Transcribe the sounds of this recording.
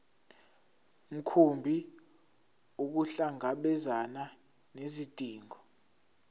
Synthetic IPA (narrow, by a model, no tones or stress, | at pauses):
m̩kʰumbʱi | uk̬uɬaŋaɓɛzana | nezitʼiːŋʱɔ